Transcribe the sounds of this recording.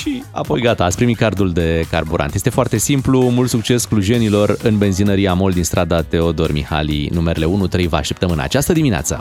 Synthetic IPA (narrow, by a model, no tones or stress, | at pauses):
ʃia̰po̞jɡat̪aːt̪sʲpɾimit̪̚kard̪uld̪e̞karbuɾa̰nt̪je̞st̪e̞foart̪e̞simplumult̪suk̚t͡ʃe̞skluʒienilo̞rɨnbe̞nzinəɾiamo̞ld̪inst̪ɾʔad̪at̪e̞o̞d̪o̞rmḭha̰lḭnumeɾele̞unut̪ɾe̞jvaa̰ʃt̪ept̪əmɨna̰t͡ʃast̪əd̪iminea̰t̪sə̰